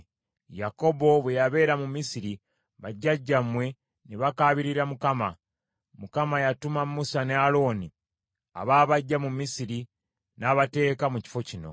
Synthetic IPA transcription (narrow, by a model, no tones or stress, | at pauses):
jako̞bo̞βwe̞jaβe̞ːɾamumisiɾi | βaɟːaɟːamwe̞ | neβakaːβiɾiɾamukama | mukamajatumamːusanealo̞ːni | a̰βaːβaɟːamumːisiɾi | naːβate̞ːkamuci̥fo̞cino̞̰